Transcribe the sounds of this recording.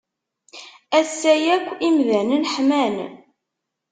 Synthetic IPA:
æsːæjækʷːimðænənħmæn

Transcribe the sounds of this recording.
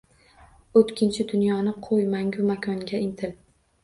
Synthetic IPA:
ot̪kʲʰɪnt͡ʃʰɪd̪ʊnjɒnɪqʰojmaŋɡʲʊmakʰʲɒŋɡʲaɪnt̪ʰɪl

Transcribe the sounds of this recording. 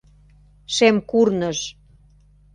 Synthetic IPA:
ʃemkurnəʃ

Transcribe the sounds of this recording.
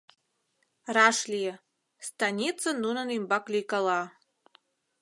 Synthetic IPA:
raʂlʲijɛ | stʰanʲit͡sʰanunanimbakʷʼlikʼala

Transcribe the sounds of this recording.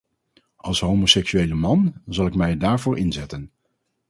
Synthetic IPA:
ʔɑlˠsɦowmosɛksyejləmɑnzɑlˠɪkmɛjdaːɹvʊːɹʔɪnzɛtən

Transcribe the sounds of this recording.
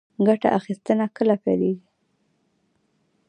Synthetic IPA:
ɡaʈa̰ʔaxist̪ənakəlapajleɡi

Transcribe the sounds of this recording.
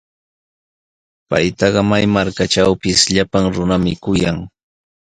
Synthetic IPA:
pa̰jt̪ɑɢɑmajmaɾkaʈ͡ʂawpɪsʎapaŋɾʊnamɪkʊjaŋ

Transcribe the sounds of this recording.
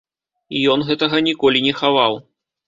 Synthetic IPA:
ijɔnɣɛt̪ɐɣɐnʲikɔlʲinʲɛxavaw

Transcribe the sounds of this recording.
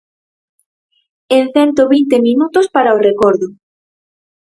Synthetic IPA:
enθɛnt̪oβint̪emĩnut̪ʊspaɾaorekɔɾðʊ

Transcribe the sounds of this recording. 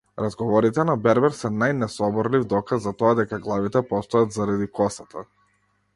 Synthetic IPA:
ɾazɡɔvɔɾit̪ɛnabɛɾbɛɾsɛnajnɛsɔbɔɾlivd̪ɔkazːat̪ɔad̪ɛkaɡlˠavit̪ɛpɔst̪ɔjat̪zaɾad̪ikɔsat̪ʰa

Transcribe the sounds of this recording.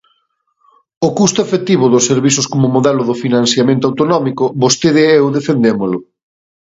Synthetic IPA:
ʊkust̪ʊefet̪iβʊðʊseɾβisʊskomʊmoðɛlʊðʊfinãnθjamẽnt̪̬oawt̪onɔmikʊbost̪eðeewðefend̪emolʊ

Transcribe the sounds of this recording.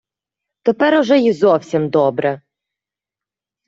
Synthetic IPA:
t̪ɔpɛɾʊʒɛjizɔwsʲimd̪ɔbɾɛ

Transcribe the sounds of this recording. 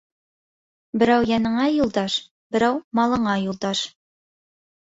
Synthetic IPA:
bɘ̆ɾæwjɑnɤ̆ɴɑjulˠd̪ɑʃ | bɘ̆ɾæwmɑlˠɤ̆ɴɑjulˠd̪ɑʃ

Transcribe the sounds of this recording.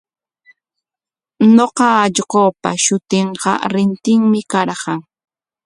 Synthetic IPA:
noqɑːʎɢoːpa̰ʃʊt̪ɪɴqɑ̰ɾɪnt̪ɪŋmɪkaɾɢɑŋ

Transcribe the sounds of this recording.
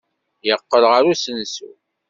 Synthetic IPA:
jəqːəlʁəɾusənsṵ

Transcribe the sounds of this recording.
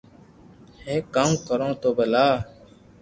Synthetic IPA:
heːkaːmkəɾõːt̪oːbelaː

